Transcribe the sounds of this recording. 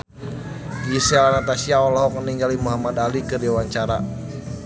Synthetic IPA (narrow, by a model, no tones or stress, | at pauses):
ɡisealanat̪asiaɔlɔɦɔk̚məniŋɡalimuɦamad̪alikədewaɲt͡ʃaɾa